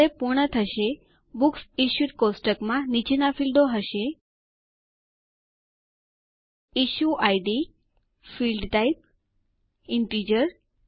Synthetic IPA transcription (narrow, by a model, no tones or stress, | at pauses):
epuɾɳət̪ʰəʃe | buksiʃut̪kosʈəkmãnit͡ʃenafilɖ̪oɦəʃe | iʃuʔajɖi | filɖʈaip̚ | iɳʈid͡ʒəɾ